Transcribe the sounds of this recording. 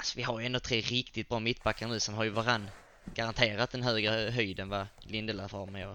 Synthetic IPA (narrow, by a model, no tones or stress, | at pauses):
asɔvɪɦaɾjɵɛnd̪ɔt̪ʰɾeːɾɪkt̪ɪt̪̚bɾɑːmɪt̪̚ːbakːaɾənʉ̟ːsɛnɦaɾjɵvaɾanː | ɡ̥aɾant̪ʰeːɾat̪̚d̪ɛnɦøːɡɾəɦyjd̪ənvalɪnd̪əlafɔɾməjo